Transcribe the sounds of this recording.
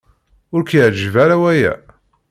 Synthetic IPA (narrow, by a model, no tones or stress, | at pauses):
ʊɾkjəʕd͡ʒvaɾawæjæ̰